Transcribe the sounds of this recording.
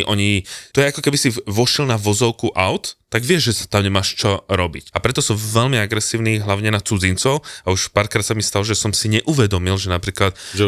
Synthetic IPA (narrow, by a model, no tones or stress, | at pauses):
ʔɔɲit̪ɔjɛakɔkɛbisiʋɔʃɛlnaʋɔzɔʊkuʔaʊt̪ːaɡʋɪɛʒʒɛsḁt̪amɲɛmaːʃt͡ʃɔɾɔbḭcapɾɛt̪ɔsɔmʋɛʎmiaɡɾɛsiːʊniɦlaʊɲɛnat͡sud͡zint͡sɔʊauʃpaːɾkɾaːt̪samist̪alɔʒɛsɔmsiɲɛʔuʋɛd̪ɔmilʒɛnapɾiːklat̪̚ɛ